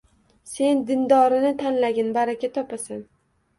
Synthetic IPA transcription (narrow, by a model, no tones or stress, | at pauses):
se̞nd̪ɪnd̪ɒɾɪnɪt̪ʰanlaɡʲɪnbaɾakʲat̪ʰɒpasan